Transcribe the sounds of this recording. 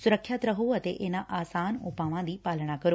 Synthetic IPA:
sʊɾəkʰːjat̪ɾɐɦoɐt̪eʔeːnãʔaːsaːnʊpaːʋãd̪iːpaːləɽ̃akɐɾo

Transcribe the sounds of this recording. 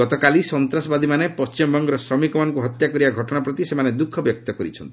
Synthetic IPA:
ɡɔt̪ɔkalisɔnt̪ɾasɔbad̪ʱimanepɔst͡ʃimɔbɔŋɡɔɾɔsɾɔmikɔmanɔŋkuɦɔt̪jakɔɾibaɡʱɔʈɔɽapɾɔt̪isemaned̪ukʰːɔbjɔkt̪ɔkɔɾḭt͡ʃʰɔnt̪i

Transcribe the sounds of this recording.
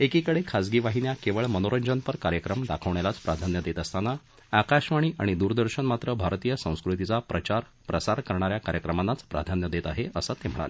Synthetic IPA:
ekikəɽekʰad͡zɡiʋaɦinjakeʋəɭmənoɾəɲd͡ʑənpəɾkaɾjəkɾəmd̪akʰəʋɳ̃alat͡spɾad̪ʱanjəd̪et̪əst̪anːa | akaɕʋaɽ̃iːʔa̰ɽ̃id̪uːɾd̪əɾɕəɳmat̪ɾəbʱaɾt̪iːjəsə̃w̃skɾut̪it͡sapɾət͡ɕaɾ | pɾəsaɾkəɾɳaɾjakaɾjəkɾəmanːat͡spɾa̰d̪ʱanjəd̪et̪aɦeəsət̪em̤əɭa̰le

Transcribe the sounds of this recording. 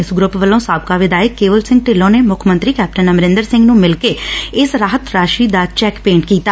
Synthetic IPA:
ɪsɡɾʊpʋəlːõːsaːb̚kaːʋɪd̪aːjəkːeːʋəlsɪ̃ŋɡ̚ʈeːlõːneːmʊkʰmə̃nt̪ɾiːkɛːp̚ʈənəmɾɪ̃nd̪əɾsɪ̃ŋɡnũːmɪlkeːɪsɾaːɦət̪ɾaːʃiːd̪aːt͡ʃɛːkpẽːɳʈkiːt̪aː

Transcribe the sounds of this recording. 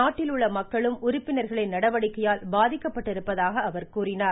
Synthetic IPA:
aːʈːɪlɯɭːɐmɐkːɐɭɯmʔʊɾʊpːɪnɐɾɣɐɭɐɪnɐɽɐʋɐɽɪkːɐjaːlbaːðɪkːɐpːɐʈːɪɾɯpːɐðaːɣɐːʋɐɾkuːrɪnaːɾ

